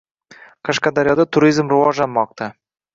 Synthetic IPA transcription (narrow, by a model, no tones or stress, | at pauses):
qʰɑʃqɑd̪aɾjɒd̪at̪ʰʊɾizmɾʊvɒʒlanmɒq̚t̪ʰa